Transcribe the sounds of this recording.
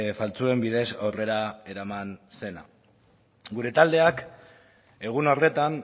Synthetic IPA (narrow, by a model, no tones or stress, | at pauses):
falt͡sue̞mbið̞e̞sawre̞ɾae̞ɾamanse̞na̰ | ɡuɾe̞t̪ald̪e̞ak | e̞ɣ̞unore̞t̪an